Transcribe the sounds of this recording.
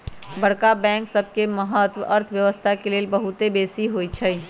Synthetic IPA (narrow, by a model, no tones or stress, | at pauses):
bəɽkabɛ̃ŋksəbʱkeməɦət̪ʋə̰ʔəɾt̪ʰʋjəʋəst̪ʰakeleːlbəɦut̪ebeːsiɦojt͡ʃʰəj